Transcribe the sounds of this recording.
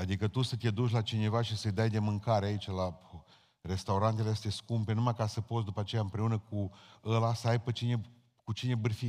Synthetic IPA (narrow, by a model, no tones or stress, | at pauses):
ad̪ikət̪usət̪ied̪uʃ̬ʲlat͡ʃine̞vaʃisəjd̪ajd̪e̞mɨŋkaɾeait͡ʃala | re̞st̪auɾant̪elesə̥t̪e̞skumpe̞numajkasəpo̞t̪s̬d̪upat͡ʃe̞jaɨmpɾe̞unəkuəlasəajpət͡ʃine | kut͡ʃine̞bɨrfi